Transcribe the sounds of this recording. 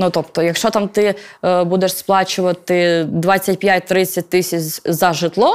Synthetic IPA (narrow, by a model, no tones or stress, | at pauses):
nut̪ɔpt̪ɔjɐkʃt͡ʃɔt̪amt̪ɪbud̪eʂsplˠɑt͡ʃʊʋɐt̪ɪd̪ʋɑt͡sʲːɐt̚ʲpʲjatʲt̪ɾɪt͡sʲːɐt̚ʲt̪ɪsʲɐt͡ʃzɐʒɪt̪lˠɔ